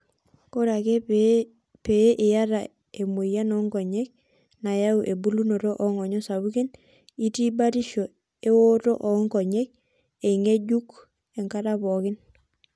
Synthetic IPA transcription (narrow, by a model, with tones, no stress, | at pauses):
ko˦ɾa˨ke˦ | pe˨˦ʔɪ˨ja˦ɾa˨ | e˨mo˨ja˦nɔ˨˦ŋɡɔ˨ɲe˦k̚ | na˨ja˦uʔe˨bu˦lu˦no˨to˦ʔɔ˨ŋɔ˨ɲɔ˦sa˨βu˦ki˦n | i˦ti˦ba˦ti˦ʃo˨ | e˦wo˦to̰˦ʔɔ˨˦ŋko˨ɲe˦k̚ | e˨i˨ŋe˦ɟu˦k | e˨ŋka˦ɾa˦βɔ˨kɪ˦n